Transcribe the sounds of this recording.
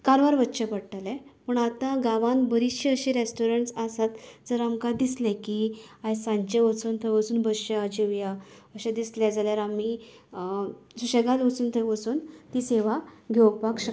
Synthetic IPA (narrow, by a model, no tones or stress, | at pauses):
kaɾʋaɾʋət̪ːɕəpəɽʈalɛ̃pəɳat̪ãɡaʋãnbəɾiɕiəɕiɾesʈoɾəɳʈsasat̪d͡zəɾamkad̪islɛ̃kiajsãɲt͡ɕeʋət͡sunt̪ʰəjʋəsuːnbəɕjad͡ʑiʋja | əɕad̪islɛ̃d͡zaljaɾami | suɕeɡalʋət͡suːnt̪ʰəjʋəsuːnt̪iseʋaɡʱewk̚pakɕə